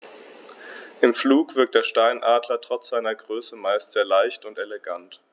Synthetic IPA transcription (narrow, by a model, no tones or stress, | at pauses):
ʔɪmfluːkv̥ɪɐk̚td̥eːɐʃtaɪnʔaːdlɐtʁ̥ɔt͡sz̥aɪnɐɡʁøːsəmaɪstz̥eːɐlaɪçtʊnteleɡant